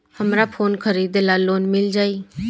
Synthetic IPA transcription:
həmɾaːpʰoːnkʰəɾiːd̪elaːloːnmɪld͡ʒaːiː

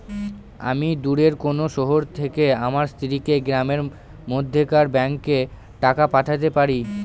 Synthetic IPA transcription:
a̰mid̪uɾeɾkonoʃɔɦoɾt̪ʰekeamaɾst̪ʰiɾikeɡɾameɾ | mod̪ʱːekaɾbɛŋkːe | ʈakapaʈʰat̪̬epaɾi

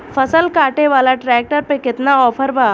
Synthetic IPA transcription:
fʰɐsəlkaːʈeʋaːlaʈɾɛːk̚ʈəɾpekɪt̪naɔːpʰəɾbaː

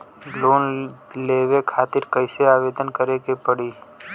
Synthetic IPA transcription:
bloːnleːʋekʰaːt̪ɪɾkəɪseaːʋeːd̪ənkəɾekepəɽiː

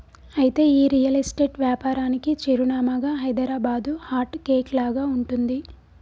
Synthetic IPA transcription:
ɐjit̪e̞ːiːɾijɐlɐsʈeːʈʋjaːpaːɾaːnikit͡ʃeɾunaːmaɡaːɦɐjd̪ɐɾaːbaːd̪uhaːʈkeːklaːɡaːuɳʈund̪i

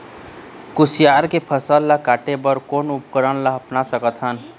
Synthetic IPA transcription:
kusijaɾkepʰəsəlːakaʈebəɾkonupkəɾənlaɦəpnasəkət̪ɦən

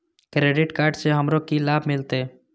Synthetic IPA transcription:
kɾeːɖɪʈkaːɾɖseɦəmɾokilaːbʱmɪlt̪eː

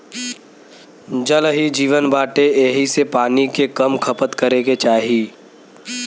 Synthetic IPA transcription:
d͡ʒəlɦid͡ʒiːʋənbaːʈeeːɦisepaːnikekɐmkʰəpət̪kəɾeɡet͡ʃaːɦiː

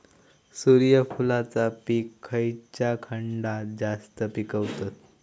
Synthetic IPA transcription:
suɾijəfulat͡sapiːkʰːəjt͡ɕjakʰəɳɖad͡zast̪əpikəʋt̪at̪

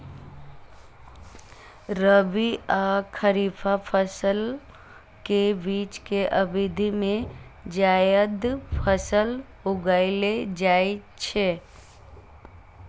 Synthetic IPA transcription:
ɾəbiakʰəɾiːfʰapʰəsəl | kebiːt͡ʃkeʔəbɪd̪ʱimẽd͡ʒaːjəd̪pʰəsəl | ʊɡaːiled͡ʒaːe | t͡ʃʰe

